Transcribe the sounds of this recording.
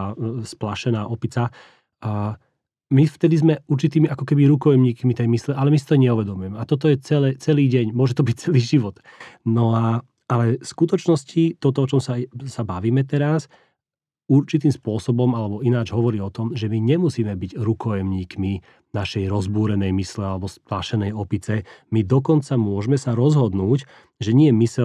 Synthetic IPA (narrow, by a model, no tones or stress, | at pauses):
splaʃɛnaːʔɔpit͡sa | mift̪ɛd̪izmɛuɾt͡ʃit̪iːmiakɔkɛbiɾukɔjɛmɲiːkmit̪ɛjmislɛʔalɛmisi̥t̪ɔɲɛuʋɛd̪ɔmujɛmɛat̪ɔt̪̬ɔjɛt͡sɛlɛːt͡sɛliːɟɛɲmʊɔʒɛt̪ɔbic̚t͡sɛliːʒiʋɔt̪ | nɔa | alɛskut̪ɔt͡ʃnɔscit̪ɔt̪ɔɔt͡ʃɔmsasabaʋiːmɛt̪ɛɾas | uɾt͡ʃit̪̬iːmspʊɔsɔbɔmalɛbɔinaːd͡ʒɦɔʋɔɾiːɔt̪ɔmʒɛmiɲɛmusiːmɛbiɟɾukɔjɛmɲiːkmi | naʃɛjɾɔzbuːɾɛnɛjmislɛalɛbɔsplaʃɛnɛjɔpit͡sɛmid̪ɔkɔnt͡samʊɔʒmɛsaɾɔzɦɔd̪nuːc | ʒɛɲɪɛmisɛ